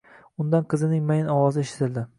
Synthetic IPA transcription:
ʊnd̪anqʰɨzɪnɪŋmajɪnɒwɒzɪeʃɪ̥t̪ʰɪld̪ɪ

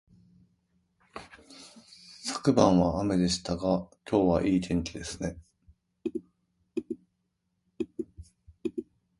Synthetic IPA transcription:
sḁkɯ̟bãɰ̃βaame̞d̪e̞ɕi̥t̪aɡakʲo̞ːβaʔiːt̪ʰẽ̞ɲ̟kʲid̪e̞sɨne̞

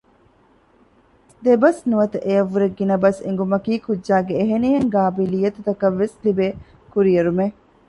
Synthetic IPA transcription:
d̪ebɐsnuʋɐt̪ɐʔejɐʋːuɾeɡːinɐbɐseŋ̆ɡumɐkiːkud͡ʒːʒaːɡeːɦeniɦeŋɡaːbilijːɐt̪ut̪ɐkɐʋːeslibe | kuɾijɐɾume

